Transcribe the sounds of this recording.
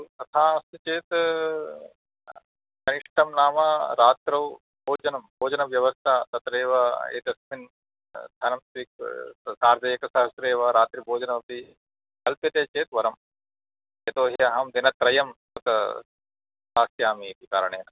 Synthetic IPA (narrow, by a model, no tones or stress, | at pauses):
t̪ɐt̪ʰaːɐst̪ut͡ʃeːt̪ | kɐniʂʈʰɐmnaːmɐɾaːt̪ɾɐʋ | bʱoːd͡ʒɐnɐmbʱoːd͡ʒɐnɐʋjɐʋɐst̪ʰaːt̪ɐt̪ɾeːʋɐḛːt̪ɐsmin | d̪ʱɐnɐmsʋik̚saːɾd̪ɐjekɐsɐɦɐsɾeːʋɐɾaːt̪ɾibʱoːd͡ʒɐnɐmɐpi | kɐlpjɐt̪eːt͡ʃeːt̪ʋɐɾɐm | et̪oːɦiɐɦɐmd̪inɐt̪ɾɐjɐmt̪ɐt̪ | saːsjaːmiːt̪ikaːɾɐɳ̃eːnɐ